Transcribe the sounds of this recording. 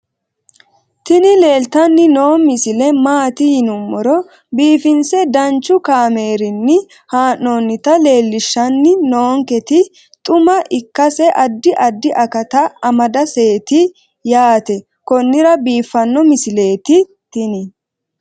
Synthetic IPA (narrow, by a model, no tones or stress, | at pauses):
t̪ɪnɪle̞ːlt̪ɐnːɪno̞ːmɪsɪlɛmaːt̪ɪhɪnʊmːɔɾɔ | biːfɪnsɛd̪ɐnt͡ʃːʊkaːme̞ːɾɪnːɪ | haːnːoːnːɪt̪ɐle̞ːlːɪʃːɐnːɪnoːŋkɛt̪ɪ | t̪ʼʊmɐʔɪkːɐsɛʔɐd̪ːɪʔɐd̪ːɪʔɐkɐt̪ɐɐmɐd̪ɐse̞ːt̪ɪ | jaːt̪ɛ | kɔnːɪɾɐbiːfːɐnːɔmɪsɪle̞ːt̪ɪ | t̪ɪnɪ